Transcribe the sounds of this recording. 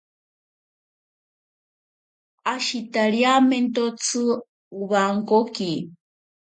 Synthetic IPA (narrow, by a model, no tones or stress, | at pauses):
aʃit̪aɾjament̪ot͡sʰɨ | uβaŋkoki